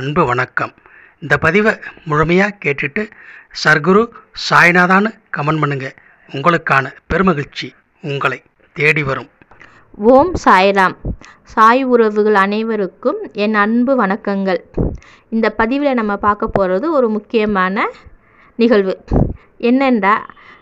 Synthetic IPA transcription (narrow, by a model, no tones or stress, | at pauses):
ɐɳbɯʋɐɳɐkːɐm | ɪnd̪ɐpːɐðɪʋɐmʊɻʊmɐjaːkeːʈːɪʈːɯsɐɾɡɯɾusaːjɐnaːðaːnɯ | kɐmɐnmɐɳɯŋɡɐ | ʊŋɡɐɭɯkːaːnɐpɛɾɯmɐɣɪɭt͡ʃːi | ʊŋɡɐɭɐɪ | t̪ːeːɽiʋɐɾɯm | ʋoːmsaːjɐlaːm | saːjʊɾɐʋɯɣɐɭɐnɐɪʋɐɾɯkːɯmɛnɐɳbɯʋɐnɐkːɐŋɡɐɭ | ɪnd̪ɐpːɐðɪʋɪlenɐmːɐpaːɾkɐpːoːrɐðɯɔɾɯmʊkːɪjɐmaːnɐ | nɪɣɐɭʋɯ | ʔɛnːɐndraː